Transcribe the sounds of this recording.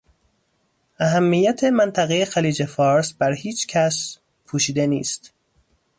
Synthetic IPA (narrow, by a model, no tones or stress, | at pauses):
ʔæɦæmːijæt̪ʰemænt̪ʰæɣejexæliːd͡ʒe̞fɒːɾsbæɾhiːt͡ʃʰcʰæs | pʰuːʃiːd̪enḭːst̪